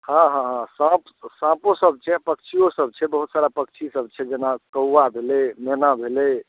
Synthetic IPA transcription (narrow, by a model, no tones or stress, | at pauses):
hãɦãɦãsãp | sãposəb̚t͡ʃʰɛpəkt͡ʃʰijosəb̚t͡ʃʰɛbəɦut̪saɾapək̚t͡ʃʰisəb̚t͡ʃʰɛd͡ʒenakəwːabʱelɛmenabʱelɛ